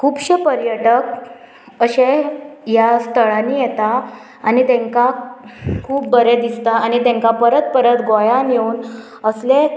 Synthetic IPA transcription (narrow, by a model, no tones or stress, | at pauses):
kʰuːpɕəpəɾjəʈək̚ | əɕẽjast̪ʰəɭanːiːjɛt̪aː | nit̪ẽŋka | kʰuːp̚bəɾed̪ist̪aːñit̪ẽŋkapəɾət̪̚pəɾət̪ɡojanjeuːn | əsle